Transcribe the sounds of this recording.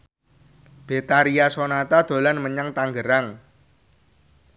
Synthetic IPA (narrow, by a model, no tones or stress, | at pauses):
b̥e̤t̪aɾiasonat̪ad̪̥o̤lanməɲaŋt̪aŋɡəɾaŋ